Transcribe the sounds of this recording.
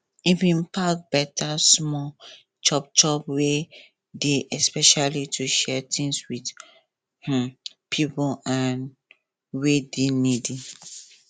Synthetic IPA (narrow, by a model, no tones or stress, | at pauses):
ifĩnpʰak̚bɛtʰasmɔ | t͡ʃɔp̚t͡ʃɔpwe | deʔɛspɛʃalitʰuʃɛtʰĩŋswid | h̩ | pʰipãn | wedenidi